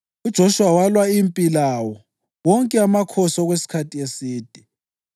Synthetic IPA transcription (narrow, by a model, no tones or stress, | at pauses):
ud̥ʒ̥ʱoʃuwawalwaimpʼilawɔ | wɔŋkʼɛamakʰɔsɔɣwesi̥kʰatʰʼiesiːd̥ʱi